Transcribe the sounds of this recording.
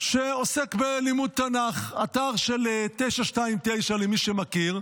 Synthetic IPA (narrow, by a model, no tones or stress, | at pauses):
ʃeo̞sekbelimud̚t̪anaχat̪aʁʃelet̪ejʃaʃtaimt̪e̞jʃalemiʃemakiʁ